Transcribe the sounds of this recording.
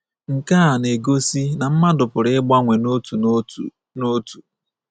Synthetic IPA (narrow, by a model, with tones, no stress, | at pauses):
ŋ̩˨ka˦a˨ne˨ɡo˦si˦na˨m̩˦ma˦dʊ˨pʊ˨ɾɪ˦ɪ˦ɡ͡ba˦ŋʷe˨n˦tu˨ | no˦tu̥˨